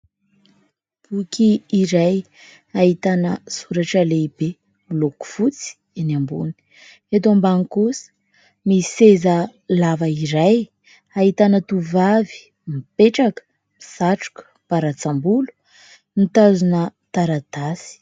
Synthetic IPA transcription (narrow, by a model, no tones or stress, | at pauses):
b̥ukiːɾaj | aɦit̪anəsuɾaʈ͡ʂəleibe | uloku̥fut͡si̥ | anambṵni̥ | et̪oambaŋikusə̥ | misezəlavəiɾaj | ait̪anət̪uvavi̥ | mipeʈ͡ʂakə̥ | misaʈ͡ʂu̥kə̥paɾat͡sambulu̥ | nit̪azunət̪aɾad̪̥asi̥